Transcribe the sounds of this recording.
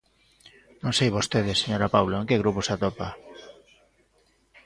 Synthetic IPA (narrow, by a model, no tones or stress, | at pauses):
nõŋsejβost̪eðɪseɲoɾapawloeŋkeɣɾuposat̪opa